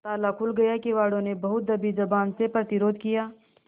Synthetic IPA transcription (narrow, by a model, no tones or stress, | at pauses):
t̪aːlakʰʊlɡɐjakiʋaːɽõnebɐɦʊt̪̚d̪ɐbid͡ʒɐbaːnsepɾɐt̪ɪɾoːd̪ʱkijaː